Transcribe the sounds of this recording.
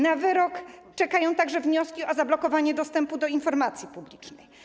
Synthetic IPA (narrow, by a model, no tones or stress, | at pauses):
navɘɾɔkt͡ʂɛkajɔ̃w̃t̪aɡʐɛvɲɔskʲiɔzablɔkɔvaɲɛd̪ɔst̪ɛmpud̪ɔinfɔɾmat̪sʲjipublʲit͡ʂnɛj